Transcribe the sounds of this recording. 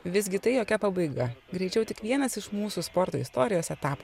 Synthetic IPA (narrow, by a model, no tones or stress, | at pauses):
ʋʲɪzʲɡʲɪt̪ɐɪjoːkʲɛpɐbɐɪɡɐɡɾʲɛɪt͡ʃʲɛʊt̪ʲɪkʋʲiɛnɐsɪʃmuːsuːspoːɾt̪oːɪst̪oːɾʲɪjoːsʲɛt̪ɑːp